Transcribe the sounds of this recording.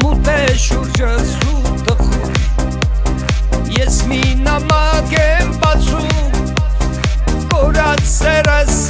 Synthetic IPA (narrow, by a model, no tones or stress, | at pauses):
mut̪ʰɛʃuɾd͡ʒəsut̪əxum | jɛsminamakɛmbat͡sʰu | kɔɾat͡ssɛɾɛs